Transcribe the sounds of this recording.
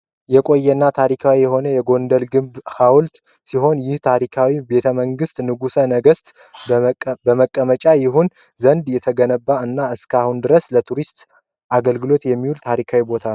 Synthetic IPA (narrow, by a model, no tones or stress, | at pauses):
jɛkʼo̞jːɛnːat̪ʰaɾikʰawijɛɦo̞nəjɛɡo̞nd̪əlɡɨmbhawlt̪ | siɦo̞njɪht̪ʰaɾikʰawibe̞t̪ʰəməŋɡɨst̪nɨɡusənəɡəst̪ | bəməkʼːəmət͡ʃʼajɪɦun | zənd̪jɛt̪ʰəɡənəbːaɨnːaɨskʰahund̪ɨɾəslət̪ʰuɾist̪ | ʔaɡəlɡɨlo̞t̪jɛmːiwult̪ʰaɾikʰawibo̞t̪ʰa